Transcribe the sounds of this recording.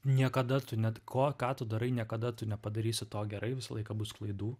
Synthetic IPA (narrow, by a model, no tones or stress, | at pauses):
nʲiɛkɐd̪ɐt̪ʊnʲɛkʰoːkɑːt̪ʊd̪ɐɾɐɪnʲiɛkɐd̪ɐt̪ʊnʲɛpɐd̪ɐɾʲiːsʲɪt̪oːɡʲɛɾɐɪʋʲɪsɐlˠɐɪkɐbʊsklˠɐɪd̪uː